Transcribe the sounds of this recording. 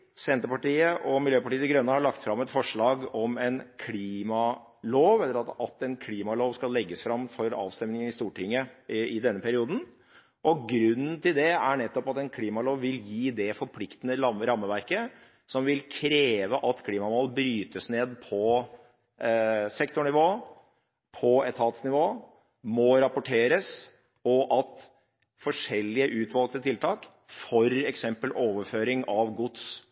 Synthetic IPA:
sɛnt̪əɾpɑʈiːəʔɔmɪljøːpɑʈiːəd̪ɪɡɾœnːəhɑɭɑkt̪fɾɑmːɛt̪fɔʂɭɑːɡɔmɛnkʰliːmɑ | loːʋɛlːəɾɑɑt̪ɛnkʰliːmɑloːʋskɑlːɛɡːəsfɾɑmːfɔɾɑ̰ːʋst̪ɛmnɪŋənɪst̪uːʈʰɪŋːəɪd̪ɛnːəpʰæɾɪuːd̪n̩ | ʔɔɡɾʉnːn̩t̪ɪld̪ɛæɳɛt̪ːɔpɑt̪ɛnkʰliːmɑloːʋʋɪljiːd̪ɛfɔɾpʰlɪkt̪ənəɾɑmːəɾɑmːəʋæɾkə | sɔmʋɪlkʰɾeːʋəʔɑt̪kʰliːmɑmolbɾyːt̪əsneːd̪pʰɔ | sɛkt̪ʊɳɪʋoː | pʰɔɛt̪ʰɑːt̪snɪʋoː | mɔɾɑpʊʈʰeːɾəs | ɔʔɑt̪ | fɔʂɛlːɪəʔʉːt̪ʰʋɑlknət̪ʰɪlt̪ʰɑːk | fɔɾɛksɛmpəlʔoːʋəɾføːɾɪŋɑʋɡʊd̪s

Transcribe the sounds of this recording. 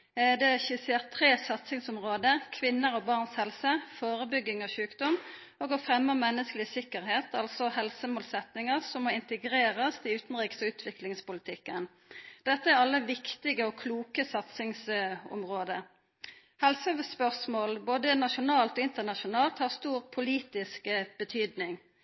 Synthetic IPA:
d̪ɛçʉːsɪɑt̪ʰʁeːsɑt̪sɪŋsʊmʁoːd̪əkʰʋɪnːəɾɔbɑʁnshɛlsəfoːʁəbʏɡːɪŋɔɕʉːkd̪ɔm | oːɡɔfʁɛmːəmɛnːəskəlɪsɪkːəʁheːt̪ʰɑlsɔhɛlsəmoːlsɛt̪nɪŋəʁsɔmːoːɪnt̪əɡʁeːʁɑsd̪iʉːt̪n̩ʁiːksɔʉːt̪ʰʋɪklɪŋspʊlɪt̪ʰɪkːən | d̪̥ɛt̪ːəæʁɑlːəʋɪkt̪ɪɡəɔːkʰluːkəsɑt̪sɪŋsʊ̰mʁoːd̪ə | hɛlsoʋspœʁsmoːlboːd̪ənɑʃʊnɑːlt̪ɔːɪnt̪əʁnɑʃʊnɑːlt̪hɑːʁst̪uːʁpʰʊliːt̪ɪskəb̥ət̪ʰyːd̪nɪŋ

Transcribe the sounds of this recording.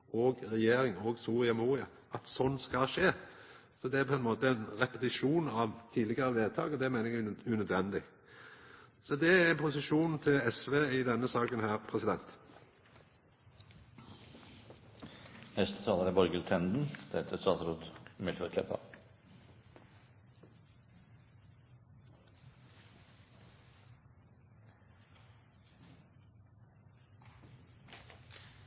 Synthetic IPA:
ɔɡʁɛjeːɾɪŋoːɡsuːʁɪɑmuːʁɪɑ | ɑt̪sɔnːskɑʃeː | sɔd̪ɛæɾpʰɔɛnmoːt̪əɛnʁɛpət̪ɪʂuːnɑʋt̪ʰiːlɪɡəɾəʋ̪eːd̪̚t̪ʰɑːɡɔd̪ɛæɾmeɪnəɛɡʉnœd̪ʋɛnd̪ɪɡ | sɔd̪ɛæɛnpʰʊsɪʃuːnt̪ʰɪlɛsʋeːɪd̪ɛnːəsɑːkənɦæːɾpʰɾɛsɪd̪ɛnt̪ | nɛst̪ə̥t̪ʰɑːləɾæbɔɾɡəlt̪ʰɛnd̪n̩d̪̥ɛt̪ʰəɾsɑːsɾuːd̪mɪlt̪ʰɾəkʰɛpɑ̰

